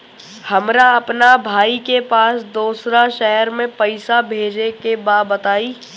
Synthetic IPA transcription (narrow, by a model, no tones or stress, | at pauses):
hɐmɾaɐpnabʱaːikepaːsd̪uːsɾaʃɛɦəɾmẽpɐɪsabʱeːd͡ʒekebaːbət̪aːiː